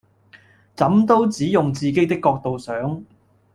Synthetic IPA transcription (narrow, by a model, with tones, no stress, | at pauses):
t͡sɐ˨˥mt̪o˥wt͡siː˨˥jʊ˨ŋt͡siː˨ke˥jt̪ɪ˥kːɔː˧k̚t̪o˨wsœː˨˥ŋ